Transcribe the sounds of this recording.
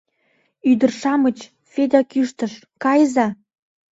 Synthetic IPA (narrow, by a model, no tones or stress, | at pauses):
yd̪ərʃɑmət͡ɕ | fed̪ɑkyʃt̪əʃ | kɑjzɑ